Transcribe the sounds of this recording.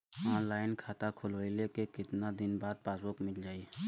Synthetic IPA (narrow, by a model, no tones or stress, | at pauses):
ɔːnlaːɪnkʰaːt̪akʰʊloilekekɪt̪nad̪ɪnbaːd̪̚paːsokmɪld͡ʒaːiː